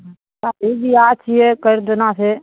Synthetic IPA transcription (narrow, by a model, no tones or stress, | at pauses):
aːeːbiːaːt͡ʃʰieːkəɾd̪ənãːseː